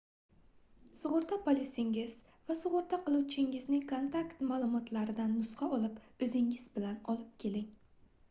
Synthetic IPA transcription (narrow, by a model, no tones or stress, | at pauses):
sʊʁʊɾt̪ʰapʰolɪsɪŋɪz̥ | vasʊʁʊɾt̪ʰaqʰɨlˠuwt͡ʃʰɪŋɪznɪŋkʰont̪ʰakt̪maːlˠʊmɒt̪ʰlaɾɪd̪anːʊsqɑɒlˠɪpɵzɪŋɪz̥bɪlanɒlˠɪp̚kʲʰe̞lɪŋ